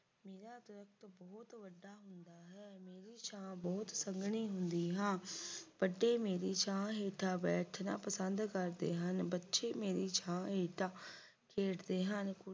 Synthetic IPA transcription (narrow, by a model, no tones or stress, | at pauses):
meːɾaːt̪ʊɾək̚ʰt̪bɔːt̪ʋəɖːaːɦʊnd̪aːɦɛːmeːɾiːt͡ʃʰãːbɔːt̪səŋɡɽ̃iːɦʊnd̪iːɦãːb̥əɖːeːmeːɾiːt͡ʃʰãːɦeːʈʰaːbɛːʈʰna̰ːpəsənd̪kəɾd̪ḛːɦənbətːʃeːmeːɾiːt͡ʃʰãːɦeːʈaː | kʰeːʈd̪eːɦənkʊ